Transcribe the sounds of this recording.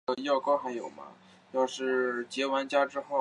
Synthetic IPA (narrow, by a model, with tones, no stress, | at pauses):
ə˧jɑ˥˩ʊkɑ˥ʊxa˧˥ɪjo˨˩ʊmɐ̰˦ | jɑ˥˧ʊʂɻ̩˥˩t͡ɕjɛ˧˥wa˧˥nt͡ɕja˥ʈ͡ʂɻ̩˥xo˥˩